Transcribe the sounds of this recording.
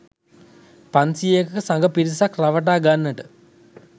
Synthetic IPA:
pansiekəkəsaŋɡəpiɾisakraʋəʈ̬aːɡanːəʈə

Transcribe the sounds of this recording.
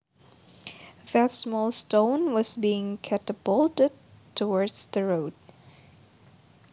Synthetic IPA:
ðətsmɔlˠstõʊ̃nwʌzbiɪ̃ŋkʰɛtəb̥olˠtɨd̚ | tʰːəwɔɹdz̥ðɨɹoʊd̥̚

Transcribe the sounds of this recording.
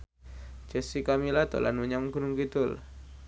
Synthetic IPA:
d͡ʒɛsikamilad̪o̰la̰nuɲamɡunʊŋkit̪ʊl

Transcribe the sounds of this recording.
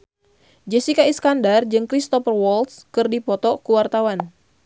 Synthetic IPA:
d͡ʒɛsikaiskandard͡ʒɨŋkɾist̪ɔfərwɔlt̪skɨrdipɔt̪ɔkuwart̪awan

